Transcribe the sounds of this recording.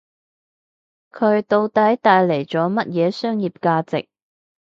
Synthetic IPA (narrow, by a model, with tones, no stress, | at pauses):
kʰɵ˨˧ɥt̪o˧wt̪ɐ˨˥jt̪aː˧jle˨˩jt͡sɔː˨˥mɐ˥t̚jɛː˨˧sœː˥ŋjiː˨p̚kaː˧t͡sɪ̰˨k̚